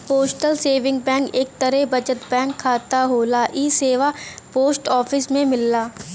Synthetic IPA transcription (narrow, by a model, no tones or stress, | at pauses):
poːsʈəlseːʋɪ̃ŋɡbɛ̃ːkeːk̚t̪əɾebɐd͡ʒət̪bɛ̃ːŋkʰːaːt̪aɦoːlaʔiːseːʋapoːsʈɔːfʰɪsmẽmɪlːaː